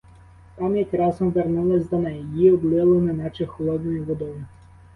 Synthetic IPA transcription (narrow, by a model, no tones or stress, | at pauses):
p̪ɑmjɐtʲɾɑsɔmʋernulˠɐsʲd̪ɔnɛjijiɔblˠɪlˠɪnɪnɑt͡ʃɪxɔlˠɔd̪̚nɔjiʋɔd̪ɔjʊ